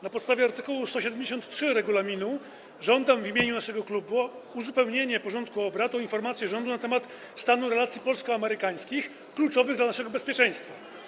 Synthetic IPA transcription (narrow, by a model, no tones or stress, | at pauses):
napɔt̪st̪avʲjɛaɾt̪ɘkuwust̪ɔɕɛd̪ɛmd͡ʑeɕ̬ɔnt̪tʂɘɾɛɡulamʲinu | ʐɔnd̪amvimʲjeɲunaʂɛɡɔklubuuzupɛwɲeɲɛpɔʐɔnt̪kuɔbɾat̪ɔinfɔɾmat̪sʲjɛʐɔnd̪unat̪ɛmat̪ | st̪anuɾɛlat̪sʲjipɔlskɔamɛɾɘkaj̃skʲix | klut͡ʂɔvɘɣɡd̪lanaʂɛɡɔbɛspʲjɛt͡ʂɛ̃j̃st̪fa